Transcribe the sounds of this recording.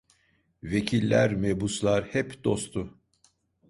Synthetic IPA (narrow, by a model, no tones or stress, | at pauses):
ve̞cʰilʲːæɾmebuslˠaɾhɛpd̪o̞st̪ʰʊ